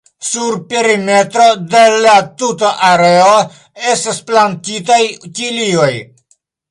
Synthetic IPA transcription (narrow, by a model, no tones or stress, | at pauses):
suɾpeɾimet̪ɾod̪elat̪ut̪aʔaɾeo | estasplantit̪ajt͡ʃilioj